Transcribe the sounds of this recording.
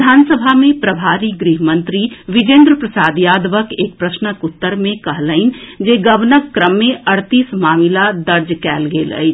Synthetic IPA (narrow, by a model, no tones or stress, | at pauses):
d̪ʱaːnsəbʱamẽpɾəbʱaːɾiɡɾiɦmə̃nt̪ɾiʋɪd͡ʒẽːnd̪ɾəpɾəsaːd̪jaːd̪ʋəkeːk̚pɾəsnəkut̪ːəɾmẽkəɦləɪnd͡ʒeɡəʋnəkːɾəmːẽʔəɽt̪iːsmaːmilad̪əɾd͡ʒkɛːlɡeːlə̰ɪt͡ʃʰ